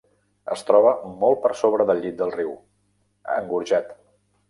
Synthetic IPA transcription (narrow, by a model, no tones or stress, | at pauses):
ə̰st̪ɾɔβ̞əmɔlˠt̚pəɾsoβɾəðəlˠʎit̪̚d̪əlˠriw | ə̰ŋɡuɾʒat̪